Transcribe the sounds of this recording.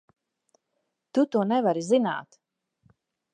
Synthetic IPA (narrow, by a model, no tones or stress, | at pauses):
t̪ut̪uɔnɛvaɾizina̰ːt̪